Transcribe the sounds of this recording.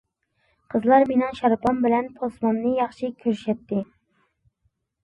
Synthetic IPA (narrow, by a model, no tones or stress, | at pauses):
qʰəzlˠɑɾmenɨŋʃɑɾpʰɑnbɪlɛnpʰosmɑnːɨjɑχʃikʲʰøɾʃɛt̪ːɪ